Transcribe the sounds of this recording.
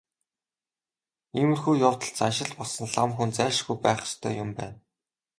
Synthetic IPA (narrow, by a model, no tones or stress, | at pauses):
imɘ̆rxuːjɔːwt̪ə̆ɮt͡sanʃɪ̆ɮpɔɮsɞ̆nɮamxunt͡sæːʃɡujpæːχ̆st̪ʰœ̰ːjʊmpæ̰ːn